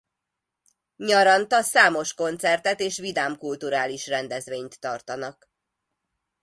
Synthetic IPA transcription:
ɲɒɾɒnt̪ɒsaːmo̞ʃko̞nt̪sɛrt̪ɛt̪eːʃʋid̪aːmkult̪uɾaːliʃrɛnd̪ɛzʋeːɲt̪ːɒrt̪ɒnɒk

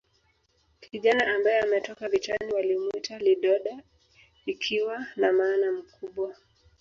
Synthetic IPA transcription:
kʰiʄanaʔambajɛamɛtɔkavitaniwalimwitaliɗɔɗa | ikʰiwanamaːnam̩kuɓwa

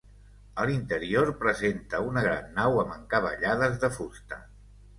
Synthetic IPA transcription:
əlint̪əɾioɾpɾəzent̪əunəɣɾa̰nːawəməŋkəβə̰ʎaðəzðəfust̪ə

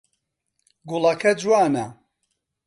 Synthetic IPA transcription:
ɡulɐkʰɐd͡ʒwaːnɐ

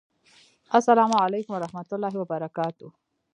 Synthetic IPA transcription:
asːalɑmuʕalejkʊmwaɾahmat̪ʊlːɑːɦɪwabaɾakɑːt̪u

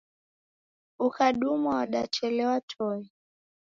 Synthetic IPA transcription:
ukaɗumawaɗa̰t͡ʃɛlɛwatʰɔi

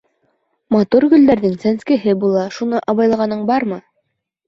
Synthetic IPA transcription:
mɑt̪uɾɡɵ̆ld̪æɾðɘŋsænskɘ̆ɦɘbulˠɑʃunɤʔɑβɑjlˠɑʁɑnɤɴbɑɾmɤ

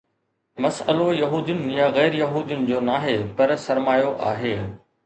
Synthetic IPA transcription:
mɐsəlojɐɦuːd̪ijʊnɪ̆jaɣɛːɾjɐɦuːd̪ijʊnɪ̆d͡ʑoːnaːɦepɐɾsɐɾmaːjoʔaːɦeː

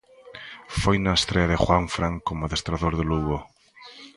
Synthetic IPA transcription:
fojnaest̪ɾeaðɪxwaɱfɾaŋkomoðest̪ɾaðoɾðeluɣo

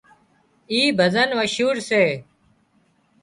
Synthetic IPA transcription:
iːbʱəzənʋəʃuːɾseː

